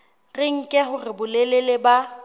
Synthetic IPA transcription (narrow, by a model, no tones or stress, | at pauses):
rɪŋ̩kʼɛɦʊrɪbʊleleleba